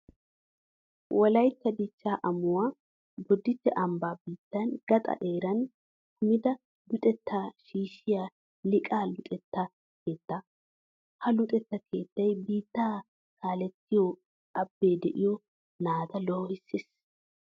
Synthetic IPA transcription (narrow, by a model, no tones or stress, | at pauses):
wʔɔlɐjt̪ːɐd̪ɪt͡ʃːaːʔɐmʊwaː | bɔd̪ːɪt̪ːɛʔɐmbaːbiːt̪ːɐnɡ̥ɐt̪ʼɐ̰ʔe̞ːɾɐn | hʊmɪd̪ɐ | lʊt̪ʼɛt̪ːaːʃiːʃɪjaː | lɪkʼaːlʊt̪ʼɛt̪ːɐ | ke̞ːt̪ːɐ | hɐlʊt̪ʼɛt̪ːɐkʰe̞ːt̪ːɐjbiːt̪ːaː | kaːlɛt̪ːɪjɔ | ɐbːe̞ːd̪ɛʔɪjɔ | naːt̪ɐlɔːhɪsːɪs